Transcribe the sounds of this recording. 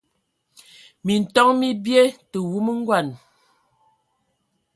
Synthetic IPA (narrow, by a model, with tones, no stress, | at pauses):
mi˨n̩˨tɔ˦ŋmi˦bje˦tə˨wu˦mə˦ŋ̩˦ɡwa˨n